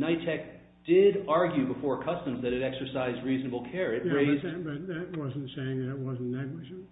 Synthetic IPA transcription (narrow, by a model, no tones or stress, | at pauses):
naɪtʰɛk̚ | d̥ɪɾɑɹɡjʉbəfɔɹkʰʌstɨ̃mzðɨɾɨɾɛksə˞saɪzd̚ɹiznəbl̩ˠkʰɛɹɨt̚ɹeɪzbʌt̪̚ðɨt̚wʌz̃n̩tseɪɪ̃ŋðɨt̚wʌzn̩næ̃ŋɡwɨd͡ʒ